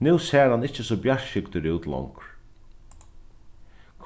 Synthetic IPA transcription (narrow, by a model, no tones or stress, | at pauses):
nʉwsɛːɾanɪht͡ʃːɪsɔːbjaɹʃɪkt̪ɪɾuːt̪lɔ̰ŋk | kʰ